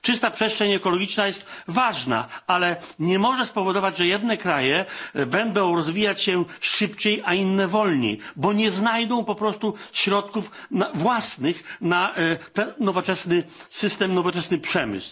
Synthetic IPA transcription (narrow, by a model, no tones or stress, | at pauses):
t͡ʂɨst̪apʂɛst̪ʂɛɲɛkɔlɔɡʲit͡ʂnajɛst̪vaʐna̰alɛɲɛmɔʐɛspɔvɔd̪ɔvad͡ʑʐɛjɛd̪nɛkɾajɛbɛnd̪ɔ̃w̃ɾɔzvʲijat͡ɕɕɛʂɘpt͡ɕejainːɛvɔlɲḛjbɔɲɛznajd̪ɔ̃w̃pɔpɾɔst̪uɕɾɔt̪kufnavwasnɘxnat̪ɛnːɔvɔt͡ʂɛsnɘsɘst̪ɛmnɔvɔt͡ʂɛsnɘpʂɛmɘ̰sw